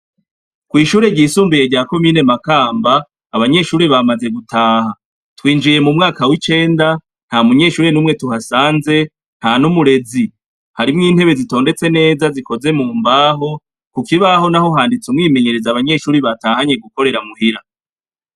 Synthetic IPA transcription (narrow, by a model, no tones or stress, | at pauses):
kwiːʃuːɾe̞ɟiːsuːmbije̞ɾɟaːko̞miːne̞makaːmbaː | βaɲe̞ʃuːɾeβamaze̞ɡutʰaːha | twiːnd͡ʒije̞mumŋaːkawit͡ʃe̞ːnda | n̥hamuɲe̞ʃuːɾe̞nuːmŋe̞tuɦasaːnze̞ | n̥hanumuɾe̞zi | haɾimŋiːnhe̞βe̞zito̞ːnde̞t͡se̞ne̞ːzaziko̞ze̞muːmbaːɦo̞ | kukiβaɦo̞naho̞ɦaːndit͡sumŋiːme̞ɲe̞ɾe̞zaβaɲe̞ʃuːɾiβataːhaɲe̞ɡuko̞ɾe̞ɾamuhiɾa